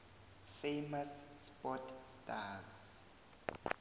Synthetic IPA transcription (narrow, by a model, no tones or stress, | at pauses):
fejmasːpɔtʰstaz